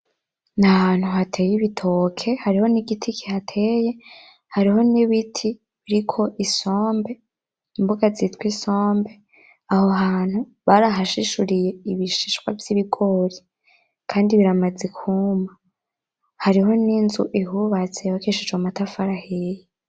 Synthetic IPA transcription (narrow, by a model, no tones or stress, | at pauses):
nahan̥huɦatʰe̞ːjiβitʰo̞kʰe̞haɾiho̞niɡitʰikʰihatʰe̞je̞ | haɾiɦo̞niβitʰi | βiɾikʰo̞ʔiso̞ːmbe̞ | imbuɡazitwiso̞ːmbe̞ | ahoɦaːn̥hu | βaɾaɦaʃiʃuɾije̞iβiʃiʃwa̰vjiβiɡo̞ɾi | kʰaːndiβiɾamad͡zekʰuːma | haɾiɦo̞ninzṵʔiɦuβat͡sejwakiʃid͡ʒomatafaɾaheje